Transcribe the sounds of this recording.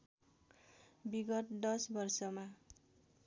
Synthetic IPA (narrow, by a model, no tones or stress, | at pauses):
biɡʌt̪d̪ʌsbʌrsʌma